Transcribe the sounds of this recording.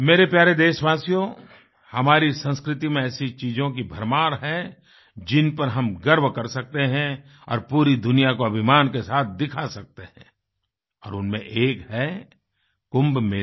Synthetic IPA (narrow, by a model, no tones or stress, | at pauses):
meːɾepjaːɾed̪eːʃʋaːsijo | hɐmaːɾisə̃nskɾɪt̪̬imẽɛːsit͡ʃiːd͡ʒõkibʱɐɾmaːɾɦɛ | d͡ʒɪnpɐɾɦɐmɡɐɾʋkɐɾsɐk̚t̪eɦɛ̃ | ɔ̰ːɾpuːɾid̪ʊnijakoɐbʱɪmaːnkesaːt̪̚ʰd̪ɪkʰasɐk̚t̪eɦɛ̰̃ | ɔ̰ːɾʊnmḛ̃ʔeːkɦɛ | kʊ̃mbmeː